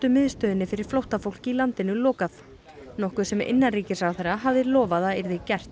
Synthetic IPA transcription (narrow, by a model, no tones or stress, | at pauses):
t̪ʏmɪðst̪œːðɪnːɪfɪɾɪɾ̥flowht̪afowl̥cilant̪ɪnʏlɔːkaθ | nɔhkʏɾ̥sɛmʔɪ̰nːanriːcɪsawθɛrːaɦavðɪlɔːvaðaðɪɾðɪcɛr̥t̪